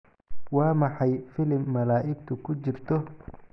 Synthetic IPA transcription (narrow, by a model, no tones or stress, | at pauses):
wɑːmɑħɑjfɪlɪmːɐlaːʔɪɡ̚t̪ʰʊkʰʊt͡ʃɪrt̪ʰɔ